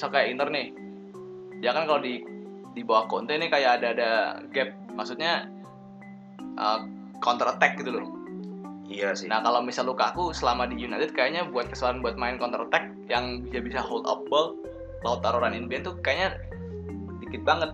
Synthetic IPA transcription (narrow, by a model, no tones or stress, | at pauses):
sakajaint̪ərnɪh | d͡ʒakankaladi | dibawahkɔnt̪ɛnɪkajaːdaːdaɡɛp̚maksut̪̚ɲa | ʔə̰ | kɔnt̪ɾət̪ɛk̚ɡit̪ulʊ | ijasnahkalawmisalːukaːkusəlamadijunat̪ɪt̪̚kajaɲabuat̪̚kə̥səlaɾanbuat̪̚maɪnkɔnt̪əɾət̪ɛk̚jaŋbisabisahold̪ɔ̰p̚bɔl | laʊt̪ːaɾoɾaninbiant̪ukajaɲa | dikɪt̪̚baŋət̪̚